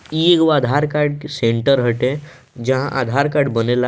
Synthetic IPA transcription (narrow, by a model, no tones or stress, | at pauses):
iekʋad̪ʱaɾkaɾɖsẽɳʈəɾɦəʈe | d͡ʒəɦãʔad̪ʱaɾkaɾɖbənela